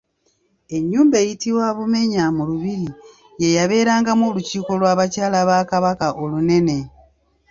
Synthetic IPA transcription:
e̞ɲːuːmbe̞ːjitiwaβume̞ɲamuluβiɾi | je̞jaβe̞ːɾaːŋɡamoːluciːko̞lwaːβacaːlaβakaβakaʔo̞lune̞ne̞

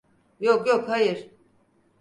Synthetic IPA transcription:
jokjokhajɯɾ

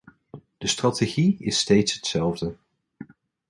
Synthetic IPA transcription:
d̥əstrɑteχiɪstejtsɦə̥tsɛlˠvdə

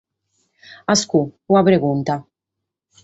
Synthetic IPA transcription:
ɐskuuːɐpɾɛɡunt̪ɐ

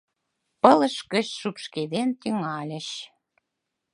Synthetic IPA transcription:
pələʃkə̆ɕʃupʃked̪ent̪yŋɑlʲə̆ɕ

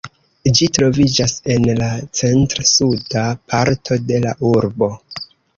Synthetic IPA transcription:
d͡ʒitɾo̞vid͡ʒase̞nlat͡se̞ntɾsudapʰaɾtʰo̞de̞laʔuɾbo̞

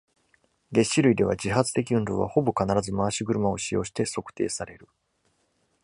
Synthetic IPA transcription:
ɡe̞ɕːiɾɯ̟id̪e̞β̞a̰d͡ʑiɦat͡sɨ̥t̪e̞kʲiɯ̃nd̪o̞̰ːβa̰ho̞bo̞kanaɾazɨmaːɕiɡɯ̟ɾɯ̟mao̞ɕijo̞ːɕi̥t̪e̞so̞kɯ̟̥t̪e̞ːsaɾe̞ɾɯ̟

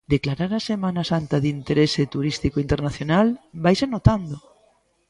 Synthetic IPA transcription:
d̪eklaɾaɾasemãnasant̪aðint̪eɾeset̪uɾist̪ikoint̪eɾnaθjonalbajsenot̪and̪o

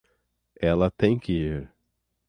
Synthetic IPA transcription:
ɛlɐt̪ẽj̃kɪiɾ

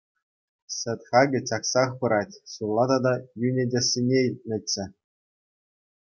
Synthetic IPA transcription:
sʲɘ̆t̪ʲχɑɡʲɘ̆t͡ɕɑksɑχpɤ̆ɾɑtʲsulˠːɑd̪ɑd̪ɑjynʲedʲĕsʲːinʲeilʲt̚ʲnʲɘ̆tʲːɘ̆

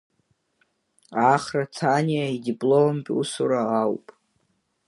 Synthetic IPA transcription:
aχrat͡sʰaniaidibʼlompʲʼṵsuɾaawpʼ

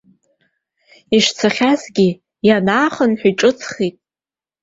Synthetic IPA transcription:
iʂt͡sʰaχʲazɡʲi | janaːχənħiʈ͡ʂʼɨt͡sʰχitʼ

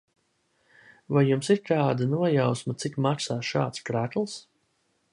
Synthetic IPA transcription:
vajːumsiɾt̪aːd̪anuɔjawsmat̪sikmaksaːʃa̰ːt̪skɾæt̪lˠs

